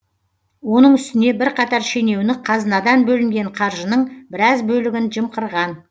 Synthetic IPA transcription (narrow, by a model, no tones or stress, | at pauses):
wo̞nəɴʏst̪ɪne̞bɪɾqʰɑt̪ɑɾʃe̞ne̞wnɪqʰɑzənɑd̪ɑnbɵlɪmɡʲe̞ɴqʰɑɾʒənəɴbɪɾɑzbɵlɪɡʲɪnʒəmqəɾʁɑn